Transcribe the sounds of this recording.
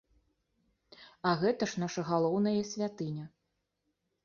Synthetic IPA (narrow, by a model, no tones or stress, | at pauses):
ɐɣɛt̪ɐʂnaʂɐɣalˠɔwnɐjɐsʲvʲat̪ɨnʲɐ